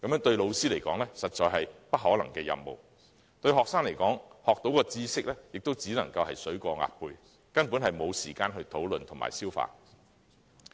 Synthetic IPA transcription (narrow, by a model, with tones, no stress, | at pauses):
kɐ˨mjœː˨˧˥ŋt̪ɵ˧ɥlo˨˧wsiː˥le˨˩jkɔ̰ː˨˥ŋlɛː˥sɐ˨t̚t͡sɔː˨jɦɐ˨jpɐ˥t̚ɦɔː˨˥lɐ̰˨˩ŋkɛː˧jɐ̰˧mmo̰˨w | t̪ɵ˧ɥhɔː˨k̚saː˥ŋle˨˩jkɔː˨˥ŋhɔː˨k̚t̪o˨˥wkɔː˧t͡siː˥sɪ˥k̚lɛː˥jɪ˨k̚t̪o˥wt͡siː˨˥nɐ˨˩ŋkɐ˧whɐ˨jsɵ˨˥ɥkɔː˧ŋa̰ː˨t̚pʰuː˧j | kɐ˥npu˨˥nhɐ˨jmo˨˧wsiː˨˩kaː˧nɦɵ˧ɥt̪ʰo˨˥wlɵ˨nt̪ʰʊ˨˩ma̰ː˨˩jsiː˥wfa̰ː˧